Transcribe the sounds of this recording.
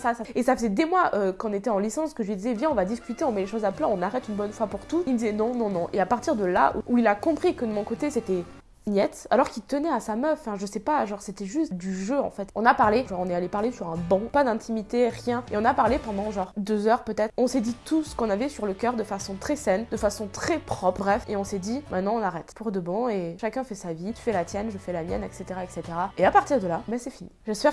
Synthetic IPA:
sasaesafəzɛd̪emwaʔøkɔ̃net̪ɛɑ̃lisɑ̃skəʒəlɥid̪izɛvjɛ̃ɔ̃vad̪iskʲyt̪eɔ̃mɛleʃozaplɛ̃ɔ̃naʁɛt̪ynbɔnfwapuʁt̪ut̪ild̪izɛnɔ̃nɔ̃nɔ̃ʔeapaʁt̪iʁd̪əla̰ṵuilakɔ̃pχikəd̪əmɔ̃kot̪eset̪ɛ | njɛt̪alɔʁkʲit̪ənɛasamœffɛ̃ʒəsɛpaʒɑ̃ʁset̪ɛʒyst̪d̪yʒøɑ̰̃fɛt̪ɔ̃napaʁleʒɔʁɔ̃nɛalepaʁlesyʁɛ̃bɑ̃pad̪ɛ̃t̪ʰimit̪eʁjɛ̃eɔ̃napaʁlepɑ̃d̪ɑ̃ʒɑ̃ʁd̪øzœʁpøt̪ɛt̪χɔ̃sɛd̪it̪ʰusə̥kɔ̃navɛsyʁləkʲœʁd̪əfasɔ̃t̪χɛsɛnd̪əfasɔ̃t̪χɛpχɔpχbʁɛfeɔ̃sɛd̪imɛ̃t̪nɑ̃ɔ̃naʁɛt̪puʁd̪əbɔ̃eʃakʲɛ̃fɛsavit̪y̥fɛlat̪jɛnʒəfɛlamjɛ̰nɛkset̪eʁaɛkset̪eʁaeapaʁt̪iʁd̪əlabɛsɛfiniʒɛspɛʁ

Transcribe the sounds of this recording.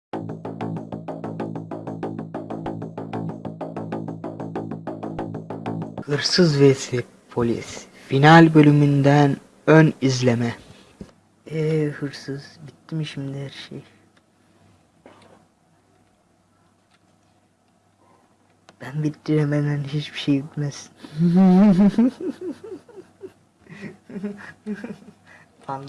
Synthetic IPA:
hɯɾsɯzvɛsi | pʰo̞lʲḭs | finalʲbø̞lʲymynd̪æn | ønizlʲemɛ | ɛhɯɾsɯz̥bit̪ːimiʃimd̪ihæɾʃej | b̥ænbit̪ːiɾemed̪ænhit͡ʃbiʃejbit̪mæsi̥n | falː

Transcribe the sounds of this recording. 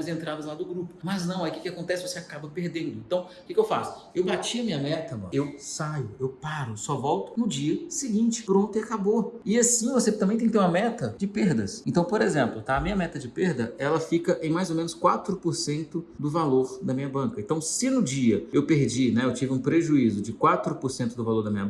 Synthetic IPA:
ɐzẽnt̪ɾad̪ɐzlad̪ʊɡɾupʊmɐznɐ̃w̃ɛjkɪkɪakõnt̪ɛsɪvoseakabɐpeɾd̪ẽnd̪ʊẽnt̪ɐ̃w̃kɪkɪewfa̰sʊ̥ | ewbat͡ʃiɐmĩɲɐmɛt̪ɐmɐ̰̃ewsajʊewpaɾʊsɔvɔwt̪ʊ̥nʊd͡ʒiɐsɪɡĩt͡ʃɪ̥pɾõnt̪ʊiakaboɪasĩvoset̪ɐ̃mbẽt̪ẽkt̪eɾũmɐmɛt̪ɐd͡ʒɪpeɾd̪ɐsẽnt̪ɐ̃w̃poɾezẽmplʊt̪aɐmĩɲɐmɛt̪ɐd͡ʒɪpeɾd̪ɐɛlɐfikɐʔẽj̃majzomẽnʊskwat̪ɾʊpoɾsẽnt̪ʊd̪ʊvaloɾd̪ɐmĩɲɐbɐ̃kɐẽt̪ɐ̃w̃sɪnʊd͡ʒiɐewpeɾd͡ʒinɛewt͡ʃivɪũpɾeʒuizʊd͡ʒɪkwat̪ɾʊpoɾsẽnt̪ʊd̪ʊvaloɾd̪ɐmĩɲɐb

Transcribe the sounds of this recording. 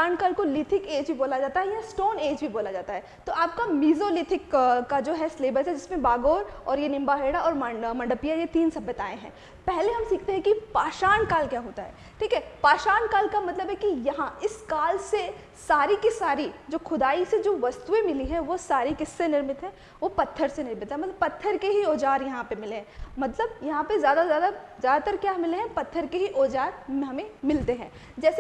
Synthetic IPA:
aːnkaːlkolɪʈ̪ʰɪkeːd͡ʒbʱiboːlad͡ʒaːt̪aɦɛjasʈoːneːd͡ʒbʱiboːlad͡ʒaːt̪aɦɛ | t̪oaːp̚kamiːzolɪʈ̪ʰɪkkːad͡ʒoːɦɛsleːbəɾsɛd͡ʒɪsmẽbaːɡoːɾɔːɾjenɪ̃mbaɦeːɽaɔːɾmmɐ̃ɳɖəpijajet̪iːnsɐbət̪aːẽɦɛ̰̃ː | pɛɦleɦɐmsiːk̚ʰt̪eɦɛ̃kipaːʃaːnkaːlkjaːɦoːt̪aɦɛ̰ː | ʈʰiːkɦɛpaːʃaːnkaːlkamɐt̪ləbɦɛkijɐɦãɪskaːlse | saːɾikisaːɾid͡ʒoːxʰʊd̪aːised͡ʒoːʋɐst̪uẽmɪliɦɛ̃ʋosaːɾikɪsːenɪɾmɪt̪ɦɛ̃ː | ʋopɐt̪ʰːəɾsenɪɾmɪt̪ɦɛ̃mɐt̪ləbpɐt̪ʰːəɾkeɦiɔːd͡ʒaːɾjɐɦãpemɪleɦɛ̃mɐt̪ləbjɐɦãpezjaːd̪azjaːd̪azjaːd̪at̪əɾkjaːmɪleɦɛ̃pɐt̪ʰːəɾkeɦiʔɔːd͡ʒaːɾɦɐmẽmɪlt̪eɦɛ̃ː | d͡ʒɛːse

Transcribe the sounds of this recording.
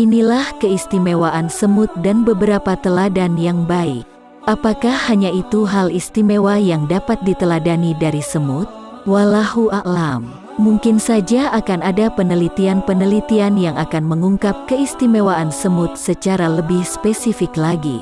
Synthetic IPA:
inilahkəist̪imewaʔansəmʊt̪̚danbəbəɾapat̪əladanjaŋbaḭk̚ | ʔapakahhaɲait̪uɦalist̪imewajaŋdapat̪̚dit̪əladanidaɾisəmʊt̪̚ | walahuʔaʔlam | muŋkɪnsad͡ʒaʔakanadapənəlit̪ianpənəlit̪ianjaŋakanməŋuŋkap̚kəist̪imewaʔansəmʊt̪̚sət͡ʃaɾaləbɪhspesifɪklaɡḭ

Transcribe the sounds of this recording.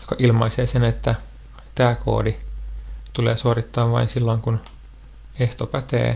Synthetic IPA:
jo̥kɑʔilmɑiseːsenet̪ːæ | t̪æːko̰ːdi | t̪uleːsuorit̪ːɑːʋʋɑ̰insilːoiŋkun | eht̪opæt̪ḛː

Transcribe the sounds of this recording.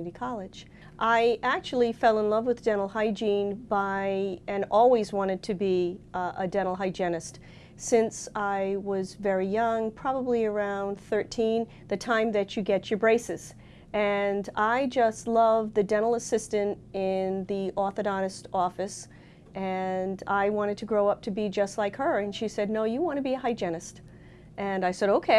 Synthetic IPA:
ɾikʰɑlˠɨ̥d͡ʒ | ʔaɪʔæk̚t͡ʃul̩ˠifɛlˠə̃nlʌvwɨðdɛ̃ñl̩ˠhaɪd͡ʒĩnbaɪɨ̃nɔlˠwizwɑ̃ɾ̃ɨd̚tʰɨbiədɛ̃ɾ̃l̩ˠɦaɪd͡ʒɛnɨst | sɪ̃nsaɪwʌzvɛɹijʌ̃ŋpʰɹ̥ɑbəbliə˞ãʊ̃nθɜ˞tʰĩn | ðɨtʰãɪ̃mðɨt͡ʃɨɡɛt͡ʃə˞bɹeɪsɨz̥ | ɨ̃naɪd͡ʒʌstˡlʌvðɨdɛ̃ɾ̃l̩ˠəsɪstɨ̃ntɪ̃nðiʔɔθɨdɑnɨstɔfɨs | ʔɨ̃naɪwɑ̃ɾ̃ɨd̚tʰɨɡɹoʊʌp̚tʰɨbid͡ʒʌstˡlaɪkhə˞ɨ̃nʃisɛdⁿnoʊjɨwɑ̃ñɨbiɨhaɪd͡ʒɛnɨst | ʔɨ̃naɪsɛɾoʊkʰeɪ

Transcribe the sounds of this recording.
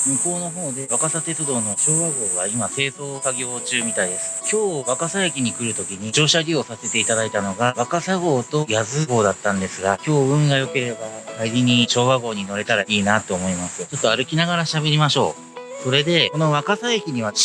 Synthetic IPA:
mɯ̟ko̞ːno̞ɦo̞ːd̪e̞βakasat̪e̞t͡sɨd̪o̞ːno̞ɕo̞ːβaɡo̞ːβaimase̞ːzo̞ːsaɡʲo̞ːt͡ɕɨːmʲit̪aid̪e̞sɨ̥kʲo̞ːβakasaekʲiɲ̟ikɯ̟ɾɯ̟t̪o̞kʲiɲ̟id͡ʑo̞ːɕaɾʲio̞sase̞t̪e̞it̪ad̪ait̪ano̞ɡaβakasaɡo̞ːt̪o̞jazɨɡo̞ːd̪at̪ːãnd̪e̞sɨɡakʲo̞ːɯ̟̃ŋɡajo̞ke̞ɾe̞bakaiɾʲiɲ̟iɕo̞ːβaɡo̞ːɲ̟ino̞ɾe̞t̪aɾaiːnat̪ːo̞ːmo̞imasɨjo̞t͡ɕo̞t̪ːo̞aɾɯ̟kʲinaɡaɾaɕabe̞ɾʲimaɕo̞̰ː | so̞ɾe̞d̪e̞ko̞no̞βakasaekʲiɲ̟iβa

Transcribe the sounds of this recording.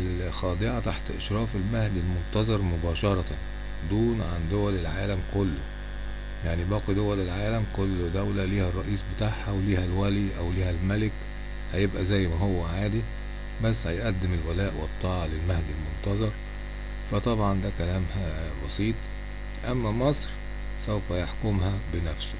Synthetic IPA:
l | xɑːd̪ˤeʕat̪aħt̪ʔeʃɾˤɑːfelmæhd̪ilmont̪ɑzˤɑɾˤmʊbɑːʃɑɾˤɑ | d̪uːnʕand̪owælelʕaːlæmkolːʊ | jaʕnibɑːqid̪owælelʕaːlæmkolːd̪æwlæliːhærˤːɑʔiːsbet̪aːʕhæwliːhælwæliʔæwliːhælmælɪk | hæjebʔæzæjːmæɦowːæʕaːd̪i | bæsːhæjʔæd̪ːɪmelwælæːʔwet̪ˤːɑːʕɑlelmæhd̪ilmont̪ɑzˤɑɾˤ | fæt̪ˤɑbʕɑnd̪ækælæːmhæ | bɑsˤiːt̪ˤ | fʔæmːæmɑsˤɾ | sowfæjaħkʊmhæbɪnæfsʊ̥

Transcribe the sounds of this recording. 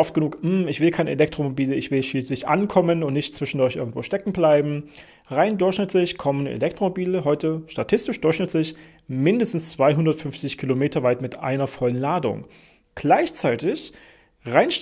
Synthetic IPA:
ɔft̚ɡənuːkm̩ːɪçv̥ɪlkʰaɪnəʔḛlɛk̚tʁ̥omobiːləɪçv̥ɪlʃiːslɪçʔa̰nkʰɔmənʊntnɪçtt͡sv̥ɪʃn̩dʊɐçʔɪɐɡŋ̩tv̥oːʃtɛkŋ̩blaɪbm̩ | ʁaɪndʊɐçʃnɪtlɪçkʰɔmənḛlɛk̚tʁ̥omobiːləɦɔʏtəʃtatʰɪstɪʃd̥ʊɐçʃnɪtlɪç | mɪndəstn̩st͡sv̥aɪɦʊndɐtfʏɱft͡sɪçkʰilomeːtɐvaɪtmɪtʔa̰ɪnɐfɔlənlaːdʊ̰ŋ | ɡ̥laɪçt͡saɪtɪç | ʁaɪnʃ

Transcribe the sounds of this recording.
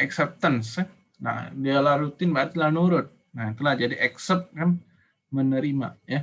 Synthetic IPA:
ɛksɛp̚t̪əns | na̰dealaɾut̪inbat̪lanuɾʊt̪̚ | nat̪əlahd͡ʒadiʔɛksɛp̚t̪̚kam | mənəɾima̰ja

